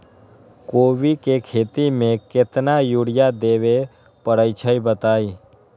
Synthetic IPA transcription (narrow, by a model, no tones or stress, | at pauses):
koːʋikekʰeːt̪imẽkɪt̪najuːɽɪjad̪eːʋe | pəɽəɪt͡ʃʰəibət̪aːi